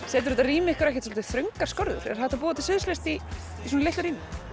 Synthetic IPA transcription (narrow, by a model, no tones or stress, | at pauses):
sɛːt̪ʏɾʏnt̪ariːmɪɛhkʏɾɛhcɛt̪sɔlt̪ɪθɾʏŋkaɾ̥skɔɾðʏ̰ɾ̥ɛ̰ɾθɛht̪ap̬uːðat̪ʰɪ̥sʏðslest̪iː | sɔnaleht̪aɾiːmɪ